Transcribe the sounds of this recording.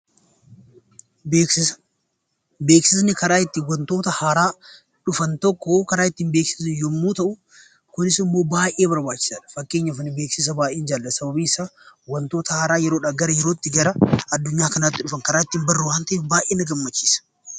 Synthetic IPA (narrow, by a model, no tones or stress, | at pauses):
ɪ | be̞ːksɪsnɪkɐɾaːɪt̪ːɪwɐnt̪o̞ːt̪ɐhaːɾaː | ᶑʊfɐnt̪ɔkːoːkɐɾaːɪt̪ːiːnbe̞ːksɪ̥sjɔmːuːt̪ɐʔʊ | kʊnɪsɪmːo̞ːbaːʔe̞ːbɐɾbaːt͡ʃːɪ̥saːᶑɐ̥fɐkːe̞ːɲːɐfnɪbe̞ːksɪs̬ɐbaːʔeːnd͡ʒaːlːɐsɐbɐbiːɪsaːwɐnt̪oːt̪ɐhaːɾaːjɛɾoːᶑɐɡɐɾɐjɛɾo̞ːt̪ːɪɡɐɾɐɐd̪ːʊɲːaːkɐnaːt̪ːɪᶑʊfɐŋkɐɾaːɪt̪ːiːmbɐrːʊwaːnt̪ɐʔeːfbaːʔeːnɐɡɐmːɐt͡ʃːi̥ːsɐ̥